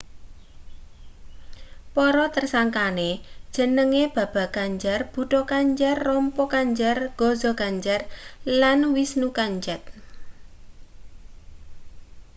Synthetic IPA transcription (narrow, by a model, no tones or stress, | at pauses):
pɔɾɔt̪ərsaŋkaned̥ʒ̥ə̤nəŋeb̥a̤b̥a̤ɡ̥aɲd͡ʒarb̥ṳʈɔkaɲd͡ʒarːɔmpɔkaɲd͡ʒarɡ̥ɔzɔɡ̥aɲd͡ʒarlanwisnukaɲd͡ʒɛt̪̚